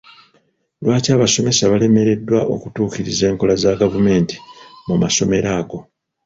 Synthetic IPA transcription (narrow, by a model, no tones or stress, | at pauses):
lwaːcaːβaso̞me̞saβale̞me̞ɾe̞dːwaʔo̞̰kutuːkiɾize̞ːŋko̞lazaɡavume̞ːnti̥mumaso̞me̞ɾaːɡo̞